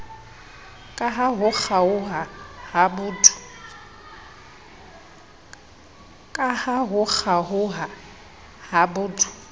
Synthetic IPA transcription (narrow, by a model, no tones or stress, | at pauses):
kʼaɦaɦʊk͡xʰaʊɦahabʊd | kʼahaɦʊk͡xʰaɦʊɦa | habʊːtʰʼʊ̥